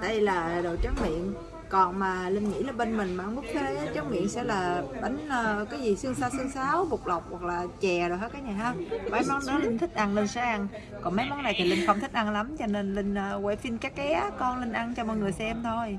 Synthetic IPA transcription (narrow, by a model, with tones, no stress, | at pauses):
ɗa̰ː˧i˧˨laː˨˩ɗo˨˩t͡ɕə˨˦˥ŋ̚mḭ˧˨ən | kɔ˨˩nmaː˨˩lï˧ŋ̟ŋḭ˧˥laː˨˩ɓe˧nmï˨˩ŋ̟maː˨ʔa˧nm˦˥k̚t̪ʰe˨˦jt͡ɕa˨˦˥mḭ˧˨ənsɛ̰˧˥laː˨˩ɓa˨˦jŋ̟əː˧kaː˨˦jzi˨˩sɨ˧əŋsaː˧wsɨ˧əŋsaː˨˦wɓʊ˨˩k͡p̚lə˨˩wk͡p̚wa˨˩k̚laː˨˩t͡ɕɛ˨˩ɗo˨˩jhe˦˥t̚kaː˨˦ŋa˨˩ɦaː˧a˨˩ʔɛ˧mnɔ˨˦˥nɨ̰˨˦lï˧ŋ̟t̪ʰï˦˥k̟̚ʔa˧ŋlə˧ŋ̟saː˨˦ʔa˧ŋ | kɔ˨˩nmə˨˦jmɔ˨˦na˨˩jt̪ʰa˨˩lï˧ŋ̟xə˧wŋ͡mt̪ʰï˦˥k̟̚ʔa˧nla˨˦mt͡ɕɔ˧ne˧nlï˧ŋ̟ʔəː˧wɛ̰˧˩fi˧nkaː˦˥kːɛ˨˦kɔ˧nlï˧ŋ̟ʔa˧ŋt͡ɕɔ˧mɔ̰˧˨jŋɨ˨˩əjsɛ˧mt̪ʰo˧j